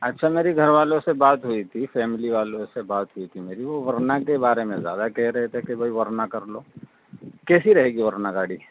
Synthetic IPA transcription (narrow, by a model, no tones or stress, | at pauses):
ɐtːʃʰameːɾiɡʱɐɾʋaːlõsebaːt̪ɦuit̪ʰifɛːmɪliʋaːlõsebaːt̪ɦʊit̪ʰimeːɾiʋoʋɐɾnakebaːɾemẽzja̰ːd̪akɛɦɾɐɦet̪ʰekebʱɐiʋɐɾnakɐɾloː | kɛːsiɾɐɦeːɡiʋɐɾnaɡaːɽiː